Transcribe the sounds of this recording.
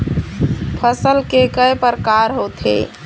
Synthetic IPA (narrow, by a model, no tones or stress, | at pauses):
pʰəsəlkekəjpəɾkaːɾɦoːt̪ɦḛ